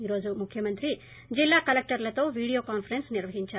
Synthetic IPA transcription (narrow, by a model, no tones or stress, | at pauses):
iɾoːd͡ʒumukʰːjɐmɐnt̪ɾi | d͡ʒilːaːkɐlek̚ʈɐɾɐlɐt̪oːʋiːɽijoːkaːnpʰɐɾensniɾʋɐɦiɲt͡ʃa